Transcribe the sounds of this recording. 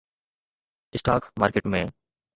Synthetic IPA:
ɪsʈaːkma̰ːɾkeʈmẽː

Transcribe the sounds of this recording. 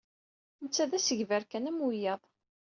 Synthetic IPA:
nət͡sːæðæsəʝvæɾkænæmwujɑðˤ

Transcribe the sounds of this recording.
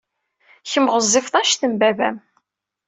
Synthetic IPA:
çəmʁəzˤːɪfθˤɑʃθəmbævæ̰m

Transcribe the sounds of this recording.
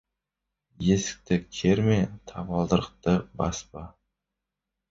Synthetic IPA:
jesɪ̥k̚ʲt̪ʰɪkʲʰeɾmet̪ʰɑpɑlˠd̪əɾəq̚t̪ɪbaspɑ

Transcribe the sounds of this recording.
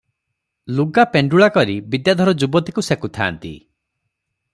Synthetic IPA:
luɡapeɳɖuɭakɔɾibid̪jad̪ʱɔɾɔd͡ʒubɔt̪ikusekut̪ʰa̰ːnt̪ḭ

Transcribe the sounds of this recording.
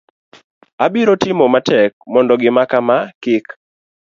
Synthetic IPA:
abiɾotɪmɔmatɛk̚mɔndɔɡɪmakamakɪk

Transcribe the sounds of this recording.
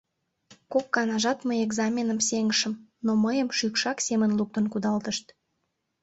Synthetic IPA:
kokːɑnɑʒɑt̪məjeɡzɑmʲenəmseŋəʃəmnoməjəmʃykʃɑksemənluk̚t̪ə̆nkud̪ɑlt̪əʃt̪

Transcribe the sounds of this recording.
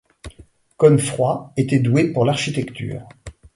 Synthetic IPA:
kɔnfχwaet̪ɛd̪wepuʁlaʁʃit̪ɛkt̪y̰ːʁ

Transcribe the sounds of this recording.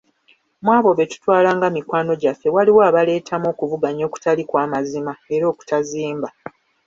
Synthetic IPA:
mwaːβo̞βe̞tu̥twaːlaːŋɡamikwaːno̞ɟafːe̞waliwoaβale̞ːtamo̞ːkuvuɡaɲo̞ːku̥talikwaːmazimae̞ɾo̞ːku̥taziːmba

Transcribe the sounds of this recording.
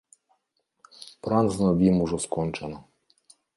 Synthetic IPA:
pɾanznad̪imuʒɔskɔnt͡ʃana

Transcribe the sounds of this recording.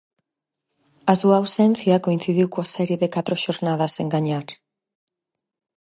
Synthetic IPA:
asuaːwsɛn̟θjakoin̟θiðiwkoasɛɾjeðekat̪ɾoʃoɾnað̞aseŋɡaɲaɾ

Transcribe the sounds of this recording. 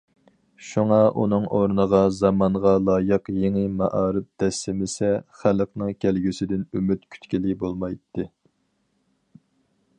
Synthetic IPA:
ʃuŋɑʔṵnɨŋʔoɾnəʁɑzɑmɑɴʁɑlˠɑːjɨqjeŋɪmɑʔɑːɾɨp̚d̪̥ɛsːɪmɪsɛχælqnɨŋkʲʰælɡʲysɪd̪ɪnymyt̪kʲʰy̥t̪kʲilɪbolˠmɑjt̪ʰːɨ

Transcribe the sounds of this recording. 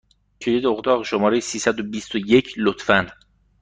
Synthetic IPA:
cʰelid̪oɣd̪ɒːɣeʃomɒːɾejsiːsæd̪obiːst̪ojecʰlot̪fæn

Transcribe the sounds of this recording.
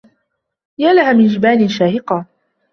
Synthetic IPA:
jaːlahamɪnd͡ʒɪbaːnɪnʃaːhɪqɑː

